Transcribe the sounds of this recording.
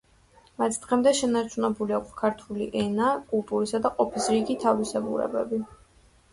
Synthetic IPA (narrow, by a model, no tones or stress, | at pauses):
mat̪ʰd̪̥ʁɛmd̪ɛʃɛnaɾt͡ʃʰunɛbuliakʷʰskʰaɾt̪ʰulḭʔɛnakʼulˠp̪ʼuɾisad̪aqʼɔpʰisɾiɡit̪ʰavisɛbṵɾɛ̰bɛ̰bi